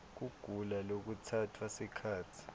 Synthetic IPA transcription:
k̬uɡ̥ʱulalok̬utʰatʰwasikʰaːtʰi̥

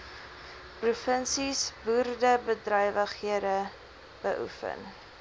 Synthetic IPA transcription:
prufənsisbuːrdəbədrœjvəχiədə | b̥əʔṵfə̰n

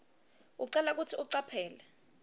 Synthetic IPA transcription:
uǀɛlak̬utʰiuǀapʰɛːlɛ

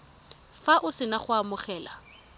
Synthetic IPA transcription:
faʔʊsɪnaχʊamʊχɛːla̰

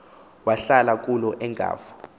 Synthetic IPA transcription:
waɬalak̬ʼulɔʔɛŋɡʱa̰ːvɔ̥

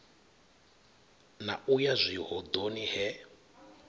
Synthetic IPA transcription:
na̰ujazʷiɦɔd̪onihɛ

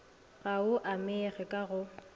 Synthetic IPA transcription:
ɣaʊʔamɪɛɣɛkʼaɣʊ

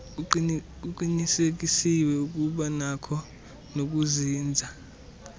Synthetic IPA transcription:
k̬uǃinisek̬isiwɛuk̬uɓanakʰɔ | nok̬uziːnd͡zʱa

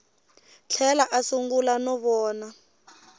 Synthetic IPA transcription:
t͡ɬʰɛlaʔasuŋɡulanɔβɔːna

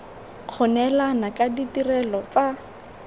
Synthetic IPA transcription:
q͡χʰʊnɛlanakaditirɛlɔt͡sa

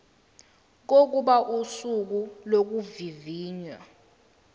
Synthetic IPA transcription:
k̬ok̬uɓaʔusuk̬ulok̬uviviːɲwa̰

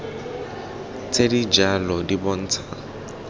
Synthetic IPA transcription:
t͡sʰedid͡ʒalɔdibɔn̩ːt͡sʰa

